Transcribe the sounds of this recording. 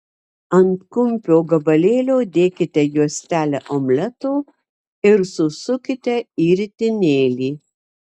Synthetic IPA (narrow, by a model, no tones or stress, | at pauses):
ɐnt̪kʊmʲpʲoːɡɐbɐlʲeːlʲoːd̪ʲeːkʲɪt̪ʲɛjuɔsʲt̪ʲæːlʲɛʔoːmʲlʲɛt̪oː | ɪɾsʊsʊkʲɪt̪ʲɛiːɾʲt̪ʲɪnʲeːlʲiː